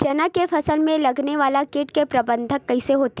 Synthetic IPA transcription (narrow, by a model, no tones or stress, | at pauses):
t͡ʃɐnakefɐsəlmẽlɐɡneʋaːlakɪʈkepɾɐbə̃nd̪ʱəkːɐiseɦoːt̪e̥